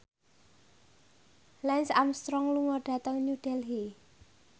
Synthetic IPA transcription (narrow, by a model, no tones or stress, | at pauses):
lɛnsamst̪ɾɔŋluŋɔɖ̥a̤t̪əŋɲuɖ̥ɛlɦi